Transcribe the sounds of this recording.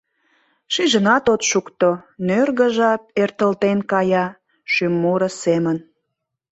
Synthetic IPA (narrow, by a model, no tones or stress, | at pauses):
ʃiʒənɑt̪ot̪ʃukt̪onørɣə̆ʒɑp̚ert̪əlt̪enkɑjɑ | ʃymːuɾə̆semən